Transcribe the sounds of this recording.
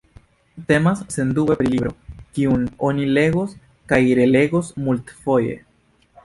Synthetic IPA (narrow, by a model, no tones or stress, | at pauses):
te̞masːe̞ndubepɾilibɾo̞kiuno̞nile̞ɡos | kajɾe̞le̞ɡosmult̪fo̞je̞̰